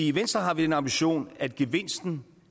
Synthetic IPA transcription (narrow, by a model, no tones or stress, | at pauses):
iiʋensd̥ʁɐɦɑ̈ʋid̥enɑ̈mb̥iɕo̝̰ːnæd̥̚ɡ̥eʋe̝n̰sd̥n̩